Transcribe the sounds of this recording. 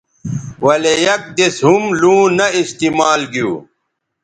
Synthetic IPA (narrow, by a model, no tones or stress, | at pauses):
wɐlejɐk̚d̪eshumlũːnɐist̪imaːlɡjṵː